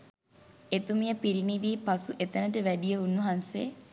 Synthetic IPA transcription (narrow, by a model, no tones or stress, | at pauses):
et̪umijəpiɾiniʋiːpasuʔet̪ənəʈəʋæɖijəunːuɦanse